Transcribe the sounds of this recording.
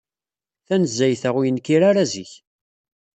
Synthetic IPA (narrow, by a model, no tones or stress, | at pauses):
θænəzːæjθəʁwijənkːiɾaɾaziç